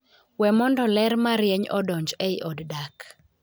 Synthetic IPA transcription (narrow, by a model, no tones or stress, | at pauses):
wɛmɔndɔlɛɾmaɾjeɲɔ̰dɔɲd͡ʒeiʔɔddak